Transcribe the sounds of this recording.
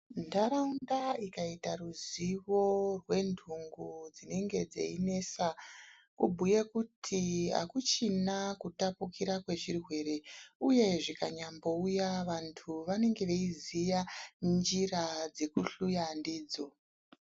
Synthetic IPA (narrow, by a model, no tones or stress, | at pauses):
ndaɾaundaikaitaruziʋo̞rwe̞ndʱuŋɡud͡zine̞ŋɡe̞d͡zḛine̞sa | kubʱujekutʰiɦa̰kut͡ʃinakutapukiɾakwe̞ʐirwe̞ɾe̞uje̞ʐikaɲambo̞ujaʋantʰuʋane̞ŋɡeʋeizijand͡ʒirad͡ze̞kuɬujandiːd͡zo